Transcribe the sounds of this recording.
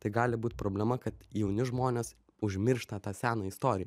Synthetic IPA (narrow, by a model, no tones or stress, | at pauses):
t̪ɐɪɡɑːlʲɪbuːt̪̚ʲpɾoːbʲlʲɛmɐkɐt̪jɛʊnʲɪʒmoːnʲeːs | ʊʒʲmʲɪɾʃt̪ɐt̪ɑːsʲæːnoːɪst̪oːɾʲɪjɛ